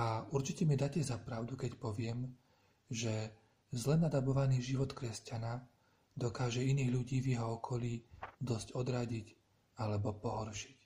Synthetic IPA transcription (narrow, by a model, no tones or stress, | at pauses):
auɾt͡ʃicɛmid̪acɛzapɾaʊd̪ukɛcpɔʋɪɛm | ʒɛ | zlɛnad̪abɔʋaniːʒiʋɔt̪kɾɛscana | d̪ɔkaːʒɛiniːɣʎuɟiːvjɛɦɔɔkʰɔliːd̪ɔscɔd̪ɾaɟic | alɛbɔpɔɦɔɾʃi̥c